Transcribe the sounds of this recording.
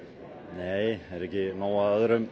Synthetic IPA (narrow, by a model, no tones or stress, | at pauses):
nejɛɾɛkɪmawaaðɾʏm